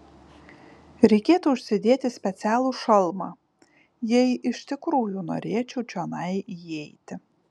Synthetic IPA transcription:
ɾʲɛɪkʲeːt̪uʊʃʲsʲɪd̪ʲeːt̪ʲɪsʲpʲɛt̪sʲæːlˠuːʃɐlˠmɑ | jɛɪʔɪʃʲt̪ʲɪkɾuːjuːno̰ːɾʲeɛt͡ʃʲɛʊt͡ʃʲonɐɪiɛɪt̪ʲɪ

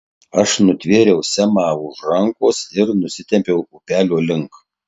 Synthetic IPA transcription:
ɐʃnʊt̪ʲʋʲeːɾʲɛʊsʲæmɑːʊʒɾɐŋkoːsɪɾnʊsʲɪt̪ʲɛmʲpʲɛʊʊpʲæːlʲoːlʲɪŋˑk

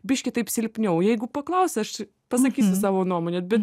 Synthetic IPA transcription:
bʲɪʃʲkʲɪt̪ɐɪpsʲɪlʲpʲnʲɛʊjɛɪɡʊpɐklˠɐʊsʲɐʃ | pɐsɐkʲiːsʲʊsɑːʋoːnuɔmoːnʲɛbʲɛt̪

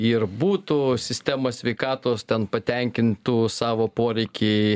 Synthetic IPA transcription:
ɪrbuːt̪usʲɪsʲt̪ʲæːmoːsʲʋʲɛɪkɑːt̪oːst̪ʲɛnpɐt̪ʲɛŋʲkʲɪnt̪uːsɑːʋoːpoːɾʲɛɪkʲi

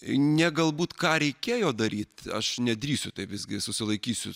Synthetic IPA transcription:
nʲɛɡɐlˠbuːt̪kɑːɾʲɛɪkʲeːjoːd̪ɐɾʲiːt̪ɐ̰ʃnʲɛd̪ʲɾʲiːsʲʊt̪ɐɪpʋʲɪzʲɡʲɪsʊsʲɪlˠɐɪkʲiːsʲʊ

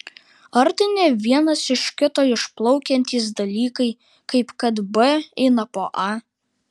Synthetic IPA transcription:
ɐɾt̪ʲɪnʲeːʋʲiɛnɐsɪʃkʲɪt̪oːɪʃplˠɒʊkʲɛnʲt̪ʲiːs̬d̪ɐlʲiːkɐɪ | kɐɪpkɐt̪bɛɛɪnɐpoːʔɐ

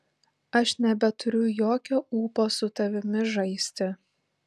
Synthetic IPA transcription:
ɐʃnʲɛbʲɛt̪ʊɾʲʊjoːkʲoːuːpoːsʊt̪ɐʋʲɪmʲɪʒɐɪsʲt̪ʲɪ

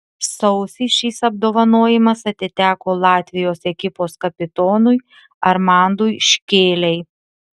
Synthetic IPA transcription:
sɔʊsʲɪʃʲiːsɐb̚d̪oːʋɐnoːjɪmɐsɐt̪ʲɪt̪ʲæːkoːlˠɑːt̪ʲʋʲɪjoːsɛkʲɪpoːskɐpʲɪt̪ɔːnʊj | ɐɾmɑˑnd̪ʊjʃʲkʲeːlʲɛɪ

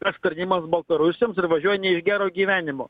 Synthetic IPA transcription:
kɐst̪ɐɾʲnʲiːmɐsbɐlˠt̪ɐɾʊsʲɪjoːmsɪrʋɐʒʲuɔjɛnʲɛɪʒɡʲæːɾoːɡʲiːʋʲæːnʲɪmoː

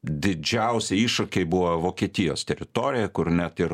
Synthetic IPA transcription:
d̪ʲɪd͡ʒʲɛʊsʲɛiːʃɐkʲeɪbʊʋɐʋoːkʲiɛt̪ʲɪjo̰ːst̪ʲɛɾʲɪt̪oːɾʲɪjɛkʊɾnʲæt̪ɪɾ

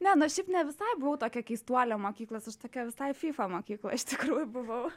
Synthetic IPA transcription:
nʲɛnʊɐsʃʲɛɪpnʲɛʋʲɪsɐɪbʊʋɐʊt̪oːkʲɛkʲɛɪst̪uɔːlʲɛmoːkʲiːklˠɐsɐʃt̪oːkʲɛʋʲɪsɐɪfʲiːfɐmoːkʲiːklˠɐɪʃt̪ʲɪkɾuːjʊbʊʋɐʊ

